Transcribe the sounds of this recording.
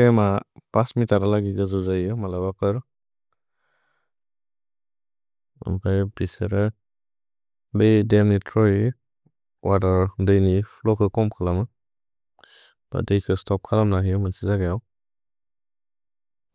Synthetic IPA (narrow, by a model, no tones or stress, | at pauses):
emapasmitaɾalaɡiɡɯzɔzajɯmalabakɯɾ | ɔ̰mpʰajbiseɾa | bejdemnitʰɾɔi | wadaɾdɯjnipʰlɔkʰɯkɔmkʰalamɯ | b̥a̰dejkʰɯstɔp̚kʰalamnaɦijɔmansizaɡajaw